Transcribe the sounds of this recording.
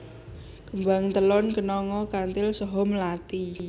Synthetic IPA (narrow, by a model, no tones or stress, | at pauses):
kəmbaŋt̪əlɔnkənɔŋɔkant̪ɪlsɔɦɔmlat̪i